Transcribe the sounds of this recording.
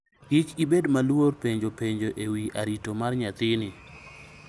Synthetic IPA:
ɡit͡ʃibedmalworpeɲd͡ʒopeɲd͡ʒoʔewiʔaɾitomarɲat̪ɪnɪ

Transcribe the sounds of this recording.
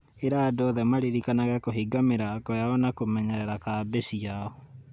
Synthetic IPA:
eɾaːdɔðɛmaɾeɾikanaɣɛkoɦiɡameɾakɔjaɔnakomɛɲɛɾɛɾakaːbesiaɔ

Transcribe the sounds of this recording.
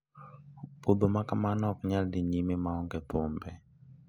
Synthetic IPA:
bobomakamanɔk̚ɲaldiɲimemaɔŋɡɛtombɛ

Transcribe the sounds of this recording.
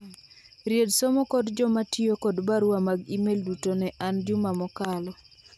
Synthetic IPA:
ɾjedsomɔkɔdd͡ʒɔmatjokɔdbaɾwamaɡimeldutonɛʔand͡ʒumamɔkalɔ

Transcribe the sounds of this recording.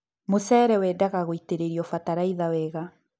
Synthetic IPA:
mosɛːɾɛwɛːdaɣaɣoiteɾeɾiɔfataɾaiðawɛːɣa

